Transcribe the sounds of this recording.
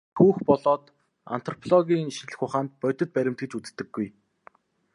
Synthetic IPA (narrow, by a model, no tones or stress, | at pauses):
xuːxpɔɮɔːt̪ | a̰n̥t̪ʰrɔpʰɮɔɣʲiːŋʃiɮɘ̆xʊχaːnt̪̚pœjʲt̪ɞ̆t̪̚pæɾʲɪ̆m̥t̪ɡɘ̆t͡ɕut͡st̪ːɘ̆ɡːuj